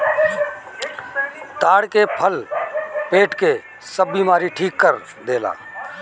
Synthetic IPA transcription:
t̪aːɽkepʰəlpeːʈke | səbːimaːɾiʈʰiːkːəɾ | d̪eːla̰ː

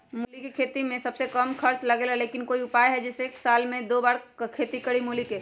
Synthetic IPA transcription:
mulikekʰet̪imẽsəbsekəmkʰəɾt͡ʃləɡelɦɛlekinkoiʊpajɦɛd͡ʒɛːseːksalmẽd̪obaːɾkʰet̪ikəɽimulike

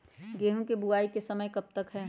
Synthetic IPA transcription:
ɡeːɦũkebuaːikesɐməjkɐb̚t̪ɐkɦɛː

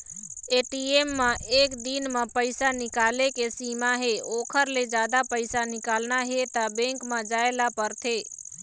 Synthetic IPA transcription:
eːʈieːmːãʔeːkd̪iːnmãpəɪsanɪkaːlekesiːmaɦeoːkʰəɾled͡ʒaːd̪apəɪsanɪkaːlnaɦet̪abɛ̃ːŋkmãd͡ʒaːelapəɾt̪ʰeː

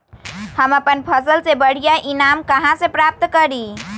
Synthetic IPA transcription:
həməpənpʰəsəlsebəɽ̤ijaʔinamkəɦãsẽpɾap̚t̪kəɾi

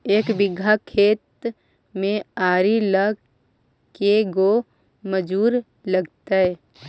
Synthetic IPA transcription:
eːkbɪɡʱakʰeːt̪ | mẽaːɾilə | keɡo | məd͡ʒuːɾ | ləɡt̪aɦɛː

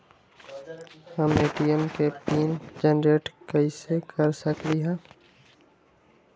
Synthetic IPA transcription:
həmeːʈiːəmkeːpiːnd͡ʒənɾeːʈkəiːseːkʰəɾsəkɾiːɦãː

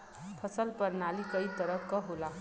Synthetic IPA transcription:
pʰʌsʌlpʌɾnalikʌjt̪ʌɾʌkːʌɦola

